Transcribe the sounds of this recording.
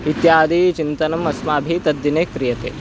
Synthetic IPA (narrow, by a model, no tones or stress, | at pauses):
it̪jaːd̪it͡ʃint̪ɐnɐmɐsmaːbʱit̪ɐd̪jineːkɾijɐt̪ḛː